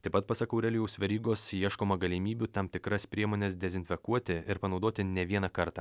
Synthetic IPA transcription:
t̪ɐɪpɐt̪̚pɐsɐkɐʊɾʲɛlʲɪjɛʊsʲʋʲɛɾʲiːɡoːsiɛʃkoːmɐɡɐlʲɪmʲiːbʲut̪ɐmt̪ʲɪkɾɐspʲɾʲiɛmoːnʲɛsd̪ʲɛzʲɪnʲfʲɛkuɔt̪ʲɪɪɾpɐnɒʊd̪oːt̪ʲɪnʲɛʋʲiɛnɐkɐɾt̪ɑː

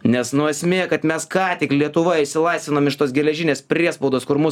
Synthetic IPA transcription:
nʲɛsnʊɐsʲmʲeːkɐt̪mʲɛskɑːt̪ʲɪklʲiɛt̪ʊʋɐɪʃsʲɪlˠɐɪst̪ʲʋʲɪnoːmɪʃt̪oːsɡʲɛlʲɛʒʲɪnʲeːspʲɾʲiɛspɐʊd̪oːskʊɾmʊs

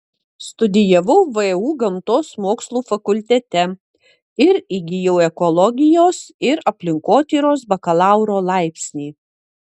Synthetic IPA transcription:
st̪ʊd̪ʲɪjɐʋɐʊʋɨɛuːɡɐmt̪oːsmoːkslˠuːfɐkʊlʲt̪ʲɛt̪ʲɛ | ɪɾɪɡʲɪjɛʊɛkɔlˠɔɡʲɪjoːsɪɾɐpʲlʲɪŋkoːt̪ʲiːɾoːs̬bɐkɐlˠɑˑʊɾoːlˠɑˑɪpʲsʲnʲiː

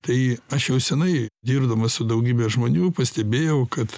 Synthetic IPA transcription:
t̪ɐɪɐʃjɛʊsʲɛnɐɪd̪ʲiːrd̪ɐmɐsʊd̪ɐʊɡʲiːbʲɛʒmoːnʲuːpɐsʲt̪ʲɛbʲeːjɛʊkɐt̪

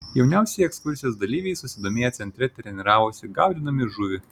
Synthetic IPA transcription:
jɛʊnʲɛʊsʲɛjɛkskʊɾʲsʲɪjoːsd̪ɐlʲiːʋʲɛɪsʊsʲɪd̪oːmʲeːjɛt̪sʲɛnʲt̪ʲɾʲɛt̪ʲɾʲɛnʲɪɾɑːʋosʲɪɡɑˑʊd̪ʲɪnɐmʲɪʒʊʋʲɪ

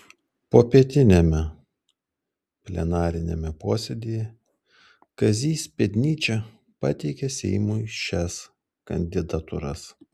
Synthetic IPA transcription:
poːpʲiɛt̪ʲɪnʲɛmʲɛ | pʲlʲɛ̰nɑːɾʲɪnʲɛ̰mʲɛpoːsʲɛd̪ʲijɛ | kɐzʲiːsʲpʲɛd̪ʲnʲiːt͡ʃʲɛ | pɑt̪ʲɛɪkʲɛsʲɛ̰ɪmuʃʲɛs | kɐ̰nʲd̪ʲɪd̪ɐt̪ʊ̰ɾɐ̰s

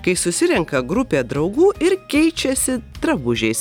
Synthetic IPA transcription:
kɐɪsʊsʲɪɾʲɛŋkɐɡɾʊpʲeːd̪ɾɐʊɡuːʔɪɾkʲɛɪt͡ʃʲɛsʲɪt̪ɾɐbʊʒʲɛɪs

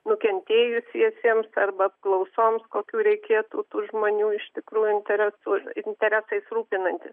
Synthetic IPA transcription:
nʊkʲɛnʲt̪ʲeːjʊsʲiɛsʲiɛmsɐrbɐɐp̚klˠɐʊsoːmskoːkʲuːɾʲɛɪkʲeːt̪uːt̪uːʒmoːnʲuːɪʃt̪ʲɪkɾuːjʊɪnʲt̪ʲɛɾʲɛsuɪnʲt̪ʲɛɾʲæsɐɪsruːpʲɪnɐnʲt̪ʲɪs

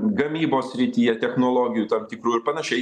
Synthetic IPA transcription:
ɡɐmʲiːboːsʲsʲɾʲɪt̪ʲiːjɛt̪ʲɛxnoːlˠoːɡʲɪjuːt̪ɐmt̪ʲɪkɾuːɪɾpɐnɐʃʲɛɪ

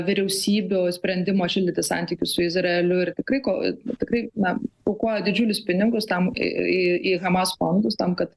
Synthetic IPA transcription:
ʋʲɪɾʲɛʊsʲiːbʲʊsʲpʲɾʲɛnʲd̪ʲɪmoːʃʲɪlʲd̪ʲɪt̪ʲɪsɐ̰nʲt̪ʲiːkʲʊssʊɪzrɐɛlʲʊɪrt̪ʲɪkrɐɪko̰t̪ʲɪkrɐɪnɐkokuɔjɛd̪ʲɪd͡ʒʲuːlʲʊspʲɪnʲɪɡʊst̪ɐm̰iiɣɐmɐsfond̪ʊst̪ɐmkɐt̪

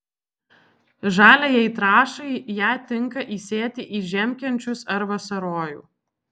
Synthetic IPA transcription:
ʒɑːlʲejɛɪt̪ɾɑːʃɐɪjæːt̪ʲɪŋˑkɐʔiːsʲeːt̪ʲɪʔiːʒʲɛmʲkʲɛnʲt͡ʃʲʊsɐɾʋɐsɐɾoːjṵː

